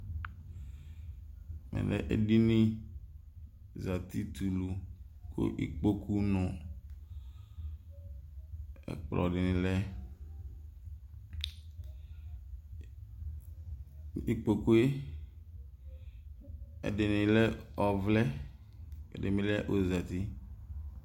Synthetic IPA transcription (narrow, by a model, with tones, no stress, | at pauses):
mɛ̰˨lɛ̰˦ʔḛ˨di˦nɪ̃˦ | za˨t̪i˦t̪u˨lu˨ | ko̰˦ʔḭ˦k͡po˦kʰu˦nɔ̃˨ | ɛ̰˨k͡plɔ̰˨dɪ˨nɪ̃˨lɛ˦ | i˨k͡po˨ku˦e˦ | ɛ̰˨dɪ˨nɪ̃˨lɛ˦ɔ˨vlɛ˦ | ɛ̰˨dɪ˨mɪ̃˨˦lɛ˦ʔo˨za˨t̪i˦